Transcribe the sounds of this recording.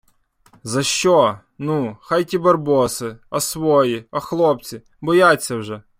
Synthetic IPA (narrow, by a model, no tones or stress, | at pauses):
zɐʃt͡ʃɔ | nuxajtʲibɐrbɔsɪɐsʋɔjiɐxlˠɔp̚t͡sʲi | bɔjat͡sʲːɐwʒɛ